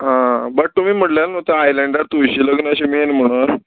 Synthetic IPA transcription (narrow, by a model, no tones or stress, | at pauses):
ɦãbəʈ̚t̪um̤iːm̤əʈljalnot̪əajlɛɳɖaɾt̪ujɕiːləɡnəɕiːmiːenm̤əɽ̃u